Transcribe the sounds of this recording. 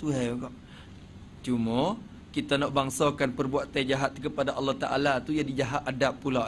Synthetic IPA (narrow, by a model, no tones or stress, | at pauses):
t̪uɦaɡɔʔ | t͡ʃumə | kit̪anɔʔbaŋsokanpərbuaʔ̪ajd͡ʒaɦat̪kəpadaʔɑlːɔht̪aʔa̰lat̪ujadid͡ʒaɦaʔ̪adapːula